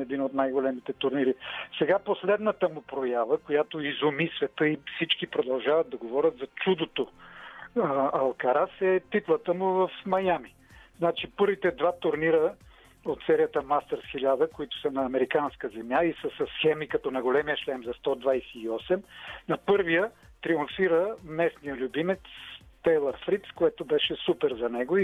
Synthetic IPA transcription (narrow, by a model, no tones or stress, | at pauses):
ɛd̪inot̪najɡolɛmit̪ɛt̪ʊɾniɾisɛɡaposlɛd̪nət̪əmʊpɾojavəkojat̪oizʊmisvɛt̪əifsit͡ʃkipɾod̪ɐlˠʒavɐt̪̚d̪ɐɡovɔɾʲət̪zɐt͡ʃud̪ot̪o | ɐlˠkɐɾasɛt̪ip̪lˠət̪əmʊvɐfmɐjami | znat͡ʃipɤɾvit̪ɛd̪vat̪ʊɾniɾə | ot̪sɛɾijət̪əmast̪əɾsxilʲad̪əkoit̪ʊ̥sənɐːmɛɾikanskəzɛmjaisəsɐsxɛmikɐt̪ɔnɐjɡolɛmijəʃlɛnzɐst̪ɔd̪vajsɛiɔsɛmnɐpɤɾvijət̪ɾiʊɱfiɾəmɛsnijəlʲubimɛt̪st̪ɛlˠɐɾfɾit̪skoɛt̪ʊbɛʃɛsupɛɾzɐnɛɡʊi